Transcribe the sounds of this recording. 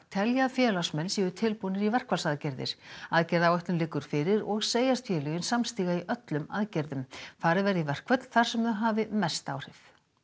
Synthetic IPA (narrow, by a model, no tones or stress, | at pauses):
t̪ʰɛljafjɛːlasmɛnːsiːðʏt̪ʰɪlpunɪɾivɛr̥kvalsaðcɛɾðɪ̰ɾ̥aðcɛɾðawœht̪lʏmlɪkːʏɾ̥fɪɾɪɾɔɣseːjast̪fjɛːlʏjɪnsamst̪iːɣaiʔœt̪lʏma̰ðcɛɾðʏmθaɾɪvɛɾðivɛr̥kvœt̪l̥θaɾ̥sɛmðʏɦaːvɪmɛst̪aːwr̥ɪf